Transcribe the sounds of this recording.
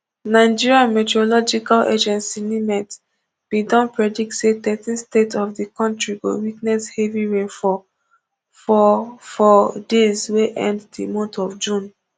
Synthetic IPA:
naɪd͡ʒiɹiãnmɛtɛɹolɔd͡ʒikalʔḛd͡ʒɛ̃nsinimɛt | b̥idɔ̃npɹɛdik̚tsetɛtĩnstetɔfdikɔ̃ntɹiɡo̰wiknɛsheviɹẽnfɔ | fɔfɔdezweʔɛ̰̃nddimɔ̃ntɔvd͡ʒũn

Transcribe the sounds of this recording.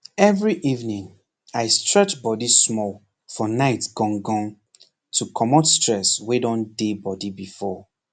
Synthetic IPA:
ɛvɹiʔivnĩŋ | aɪstɹɛt͡ʃbɔdismɔl | fɔnaɪtɡ̥ɔ̃ŋɡɔ̃ŋ | tʰukʰɔmɔtstɹɛswedɔ̃ndebɔdibifɔ

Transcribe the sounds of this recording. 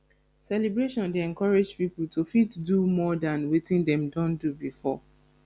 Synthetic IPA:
sɛlibɹeʃɔ̃ndeɛ̃nkɔɹed͡ʒpipl̩tufitdumɔdãnwetĩndɛ̃mdɔ̃ndubifɔ

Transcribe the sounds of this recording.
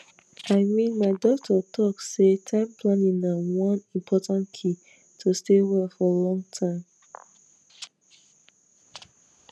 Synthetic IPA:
aɪmĩnmaɪdɔtʰɔtʰɔksetʰãɪ̃mpʰlãnĩŋnawɔ̃nĩmpʰɔtãntkʰi | tʰustewɛlfɔlɔ̃ŋtʰãɪm

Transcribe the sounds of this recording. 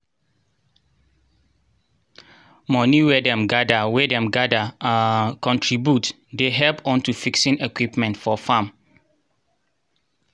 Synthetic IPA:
mɔ̃niwɛdɛ̃mɡadawɛdɛ̃mɡadaãkɔ̃ntʰɹibjut | deɦɛlpɔ̃ntufiksĩnɛkwipmɛ̃ntfɔfãm

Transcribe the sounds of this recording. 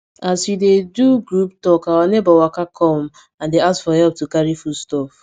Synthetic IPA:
asjideduɡɾuptɔkawanebawakakʰɔm | ãndeaskfɔhɛlp̚tukaɾifustɔf

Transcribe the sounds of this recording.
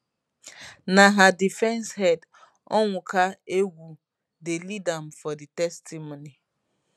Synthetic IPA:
naɦadifɛnshɛd | ɔŋʷʊkaeɡʷu | delidam̩fɔditɛstimoni

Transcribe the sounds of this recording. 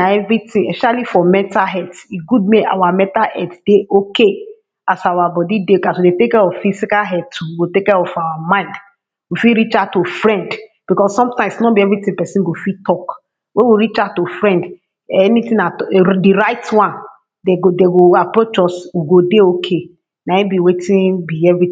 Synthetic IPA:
aɛvɹitĩɛsɛʃalifɔmɛ̃taɦɛtiɡud̚meʔa̰wamɛ̃taʔɛtd̥eokʰe | asawabɔdideokaswidetekɛɹɔffisikaɦɛdtuwiwitekɛɹɔfawamãɪ̃nd | wifiɹit͡ʃatufɹɛ̃nd | b̥ikɔsːɔ̃mtãɪ̃msnɔbiɛvɹitĩpɛsĩnɡofitɔk | wewiɹit͡ʃatofɹɛ̃nd | ɛnitĩnatdiɹaɪtwãn | deɡodeɡoapɹot͡ʃɔswiɡodeokʰe | naĩbiwetĩnbiɛvɹĩ

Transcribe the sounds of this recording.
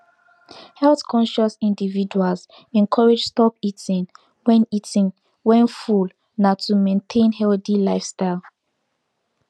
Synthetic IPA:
hɛlθkʰɔ̃nʃɔsĩndividuals | ɛ̃nkʰɔɹed͡ʒstɔpitĩŋ | wɛ̃nitĩŋ | wɛ̃nful | natʰumẽntʰẽnhɛlθilaɪfstaɪlˠ

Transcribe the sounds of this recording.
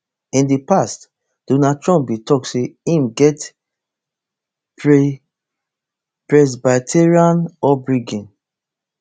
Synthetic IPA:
ĩndipast | d̥onad̚tɹɔ̃mp̚bitɔk̚tseĩmɡɛt | pɹe | pɹɛs̬batʰeɹiãnɔbɹiɡĩn

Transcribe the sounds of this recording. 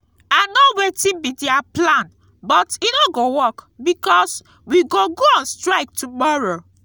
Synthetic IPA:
anɔwetĩbidiaplãn | bɔtinoɡowɔkbikɔs | wiɡoɡoãnstɹaɪk̚tʰumɔɹo

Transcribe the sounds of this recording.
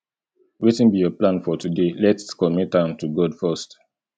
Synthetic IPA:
wetĩnbijɔplãnfɔtudelɛtskɔmitãntuɡɔdfɜst

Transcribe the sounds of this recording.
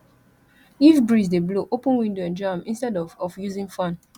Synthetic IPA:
ifbɹisdebloʔopə̃nwĩndoɛ̃nd͡ʒamĩnstɛdɔɔfjuzĩŋfãn

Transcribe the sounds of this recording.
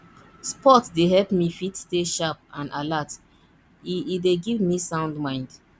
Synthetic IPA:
spɔtdeɦɛlpmifitsteʃap̚ãnʔalat | ideɡivmisãʊ̃ndmãɪ̃nd

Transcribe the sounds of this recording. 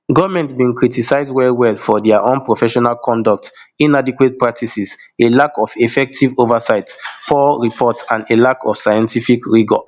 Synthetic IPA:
ɡɔvmɛ̃ntbĩnkɹitisaɪzdwɛlwɛlfɔdɛaʔõnpɹofɛʃɔnalkʰɔ̃ndɔk̚tĩnadikwet̚pɹak̚tʰisis | elakɔfefɛk̚tʰivovasaɪtfɔɹipʰɔtsãndelakʰɔfsajɛ̃ntifikɹiɡɔ̰

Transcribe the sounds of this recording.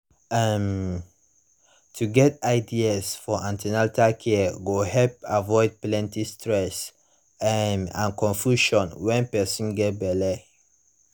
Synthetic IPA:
ɛm | tʰuɡɛtaɪdiasfɔʔãntɛnaltakʰɛɡohɛlp̚avɔɪd̚plɛ̃ntistɹɛs | mã̰nkɔ̃nfjuʃɔ̃nwɛ̃npɛsɔ̃nɡɛt̚bɛlɛ

